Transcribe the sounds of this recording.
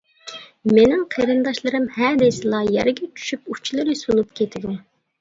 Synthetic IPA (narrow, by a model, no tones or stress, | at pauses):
menɪŋqʰeɾɨnd̪ɑʃlˠɨɾɨmhɛd̪ɛsɨlˠɑjæ̰ɾɡʲɛt͡ʃʰy̥ʃyput͡ʃʰilˠɨɾɨsulˠupkʲʰet̪ʰɪd̪u